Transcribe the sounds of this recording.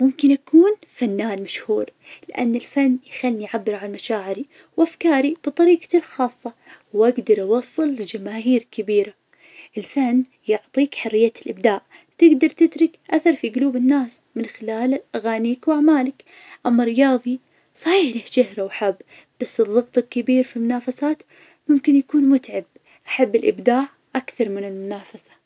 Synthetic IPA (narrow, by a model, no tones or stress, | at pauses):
mʊmkɪnʔakʰuːnfanːaːnmaʃhuːɾ | lɪʔa̰nːɪlfanːjxalːiʕabːɪɾʕalmaʃaːʕɪɾi | wʔafkaːɾib̥ɨt̪ˤɑɾiːqɑ̥lxɑːsˤːɑ | wʔaɡd̪ɑɾˤʔɑwɑsˤːɨld͡ʒamaːɦiːɾkɪbiːɾa | ʔɪlfanː | jʊʕt̪ˤiːkħʊrːɪjːalʔɪb̚d̪aːʔ | t̪ɪɡd̪ɑɾˤt̪ɪt̪ɾɪkʔaθɑɾˤfiɡʊluːbɪnːaːs | mɪnxɪlaːlʔaɣaːniːkwʔaʕmaːlak | ʔamːaɾɪjɑːðˤi | sˤɑħiːħlahʃɪhɾawħabː | b̥asːɨðˤːɑɣt̪ˤɨlkːɪbiːɾfilmʊnaːfasaːt̪ | mʊmkɪnjakuːnmʊt̪ʕab̚ | ʔaħabːɪlʔɪ̰bd̪aːʕ | ʔakθɑɾˤmɪnɪlmʊnaːfasḁ